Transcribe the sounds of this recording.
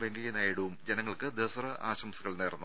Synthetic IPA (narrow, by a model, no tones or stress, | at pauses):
ʋeŋɡɐɣɐnaːjiɽuʋumd͡ʑenɐŋːɐɭkɨd̪eʋɐsɐrɐʔa̰ːɕɐmsuɣɐɭneːrɐnːu